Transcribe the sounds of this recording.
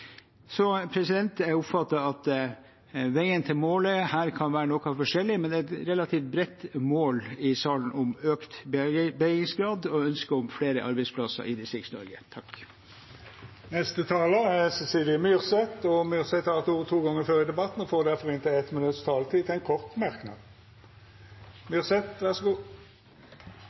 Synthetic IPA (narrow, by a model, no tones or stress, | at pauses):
sɔpʰɾɛsɪd̪ɛnt̪æɾʊpfɑt̪ːɑɑt̪ | ʋæɪənt̪ʰɪlmoːləhæːɾkʰɑnʋæːɾənɔkɑfɔʂɛlːɪmɛnd̪ɛːɛt̪ɾɛlɑt̪ʰiːft̪̚bɾɛt̪ːmoːlɪsɑːlən̩ɔmøːkt̪bbɛɡɪŋsɡɾɑːd̪ɔœnskəɔmfɽeːɾəʔɑɾbɛɪspʰlɑsə̰ɾɪd̪ɪsɪksnɔ̰ɾɡə̰t̪ʰɑk | nɛst̪ət̪ʰɑːləæsɛsiːlɪəmyʁsɛt̪ɔmyʁsɛt̪hɑɾt̪uːʋət̪ʰuːɡɔŋːəɾføːʁɪd̪ɛbɑt̪ːn̩ɔfoːʁd̪æʁfɔʁɪnt̪ʰɪɛt̪mɪnʉt̪st̪ʰɑːlt̪ʰiːt̪ʰɛɪnkʰɔʁt̪mæʁknɑ̰ːd̪ | mjyːʁsɛt̪ʋæsɡuː